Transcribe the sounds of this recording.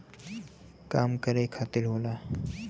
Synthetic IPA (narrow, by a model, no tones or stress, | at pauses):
kaːmkəɾekʰat̪iɾɦoːla